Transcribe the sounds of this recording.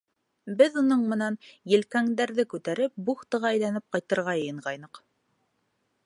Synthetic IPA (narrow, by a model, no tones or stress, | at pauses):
bɘðunɤɴmɤ̆nɑnjɘ̆lkæŋd̪æɾðɘkʉt̪æɾɘp̚buχt̪ɤ̆ʁɑæ̆jlænɘp̚qɑjt̪ɤ̆ɾʁɑjɤ̆jɤ̆ɴʁɑjnɤq